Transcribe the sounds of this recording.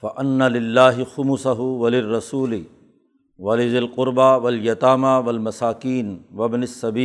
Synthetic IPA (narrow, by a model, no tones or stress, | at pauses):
fɐʔɐnːalɪlːaːɦɪxʊmʊsaɦʊwɐlɪrːɐsuːlɪ | wɐlɪzɪlqʊɾbawɐljɐt̪aːmawɐlmɐsaːkiːnwɐbnɪsːɐbiː